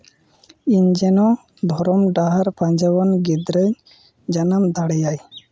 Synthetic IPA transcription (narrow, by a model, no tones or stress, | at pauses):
iɲd͡ʒenɔ | b̪ʱɔɾɔmɖaɦaɾpaɲd͡ʒawɔnɡed̪ɾəɲ | d͡ʒanamd̪ʱaɽejaj